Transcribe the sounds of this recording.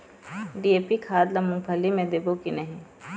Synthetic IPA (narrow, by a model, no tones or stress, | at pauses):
ɖieːpikʰaːd̪lɐmʊ̃ŋbʱʰɐlːimẽd̪eːbokinɐɦĩ